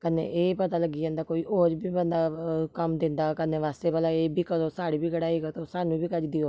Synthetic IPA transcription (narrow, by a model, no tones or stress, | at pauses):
kənḛʔeːpət̪aːləɡiːãːnd̪aːkoːiːʔoːɾbʱiːbənd̪aːkəmd̪ɪ̃nd̪aːkəneːʋaːst̪eːbəlaeːbʱiːkəɾoːsaːɽiːbʱiːɡəɽaːiːɡat̪osaːnũːbʱiːkəd͡ʒd̪ioː